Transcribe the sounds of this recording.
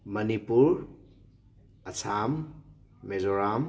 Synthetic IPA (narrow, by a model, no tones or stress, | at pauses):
mɐnipuɾ | ɐsʰamː | ezoɾam